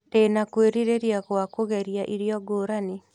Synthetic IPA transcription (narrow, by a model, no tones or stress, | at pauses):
teːnakweɾiɾeɾjaɣwakoɣɛɾjaʔiɾjɔɡoːɾane